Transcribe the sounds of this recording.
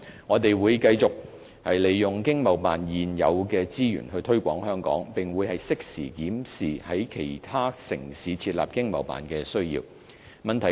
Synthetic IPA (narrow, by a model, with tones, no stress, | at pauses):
ŋɔː˨˧t̪e˨jwuː˨˧jkɐ˧jt͡sʊ˨k̚ | hɐ˨jle˨jːʊ˨ŋkɪ˥ŋmɐ˨˩wpaː˨njiː˨˩njɐ̰˨˧wkɛː˧t͡siː˥jy̰ː˨˩nhɵ˧ɥt̪ʰɵ˥ɥkʷɔː˨˥ŋhœː˥ŋkɔ̰ː˨˥ŋpɪ˨˩ŋwuː˨˧jhɐ˨jsɪ˥k̚sḭː˨˩kiː˨˥msiː˨hɐ˨˥jkʰe˨˩jt̪ʰaː˥sɪ̰˨˩ŋsiː˨˥t͡sʰiː˧t̚la̰ː˨p̚kɪ˥ŋmɐ̰˨wpa̰ː˨˩nkɛː˧sɵ˥ɥjḭː˧w | mɐ˨nt̪ʰɐ˨˩